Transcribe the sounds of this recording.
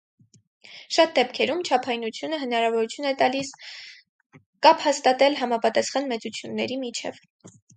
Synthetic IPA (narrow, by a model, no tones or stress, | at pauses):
ʃɑt̪̚d̪ɛpkʰɛɾumt͡ʃʰɑpʰɑjnut͡sʰjunəɦənɑɾɑvɔɾut͡sʰjunɛt̪ɑlis | kɑpʰhɑst̪ɑt̪ɛlɦɑmɑpɑt̪ɑsχɑnmɛt͡sut͡sʰjunːɛɾimit͡ʃʰɛ̰v